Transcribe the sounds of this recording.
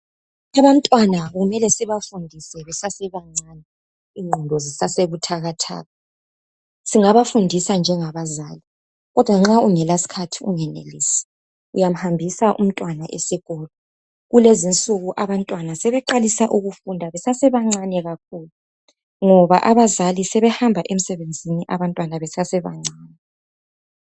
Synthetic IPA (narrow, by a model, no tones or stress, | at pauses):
aβan̩tʼwanaɣumɛlɛsiβafundʱisɛβɛsasɛβaŋ͡ǀanɛ | iŋindʱɔzisaseβutʰaɣatʰa̰ːɣa | siŋaβafundʱisand͡ʒʱɛŋaβazaːli | ɣɔd̥ʱwaŋ͡ǁauŋɛlasi̥kʰatʰiuŋɛnḛlḭːsḁ | ujam̩hambʱisaʔṵm̩tʼwanaʔesiɣɔːlɔ | ɣulezint͡sʼuɣuʔaβantʼwanasɛβɛǃalisaʔuɣufundʱaβɛsasɛβaŋ͡ǀanɛɣak̚ʰuːlu | ŋɔβaʔaβazalisɛβɛhambʱaʔem̩sɛβend͡zʱiniʔaβantʼwanaβɛsasɛβa̰ŋ͡ǀaːnɛ